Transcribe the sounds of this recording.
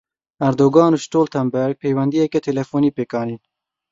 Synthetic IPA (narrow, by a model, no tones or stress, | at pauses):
ɐɾd̪oːɡɑːnuʃʈoːlt̪ʰɐmbɛɾɡ̚pʰejwɛnd̪ijɛkɛt̪ʰelɛfoːniːpeːkɑːniːn